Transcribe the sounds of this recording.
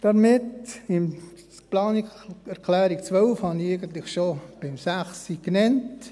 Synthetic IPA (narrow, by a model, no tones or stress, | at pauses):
d̥ɑmɪtɪm | plɑːnɪɛɾkʰlæːɾikt͡sʋœlfhɑnieɪɡənt̪lɪχʃob̥ɪmsæχsiknɛnt